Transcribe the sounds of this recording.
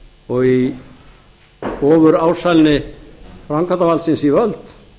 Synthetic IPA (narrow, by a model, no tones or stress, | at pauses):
ɔɣi | ɔːvʏɾaːwsajlnɪfɾaŋkʰant̪avalsɪnsivœlt̪